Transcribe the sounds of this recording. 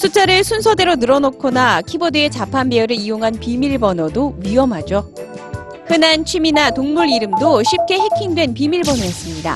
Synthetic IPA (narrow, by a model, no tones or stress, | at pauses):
sʰut͡ɕ͈ʰaɾɯɭsʰunsʰʌde̞ɾonɯɾʌnʌkʰonakʰibodɯe̞t͡ɕapʰanbeuɾɯɭijoŋɦanpimiɭbʌnʌdoɥiʌmɦad͡ʑo | kɯnant͡ɕʰiminatoŋmuɾiɾɯmdoɕʰip̚k͈e̞he̞kʰindwe̞npimiɭbʌnʌes͈ɯmɲida̰